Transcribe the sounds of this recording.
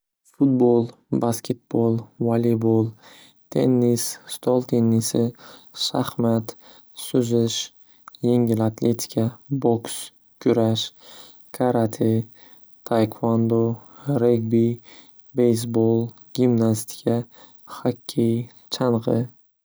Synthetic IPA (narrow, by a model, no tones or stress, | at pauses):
fʊt̪̚bolˠ | baskʲʰe̞t̪̚b̥olˠvalibolˠ | t̪ʰe̞nːisst̪ʰolˠt̪ʰenːisɪʃahmat̪ | sʊzɪʃ | je̞ŋɡʲɪlat̪ʰlet̪ʰʲi̥kʰaboks | kʲʰʊɾaʃ | kʰaɾat̪ʰɪ | t̪ʰajkʰwand̪oɾeɡbi | bejs̬bolˠ | ɡʲimnast̪i̥kʰa | hakʲʰːej | t͡ʃʰanʁɨ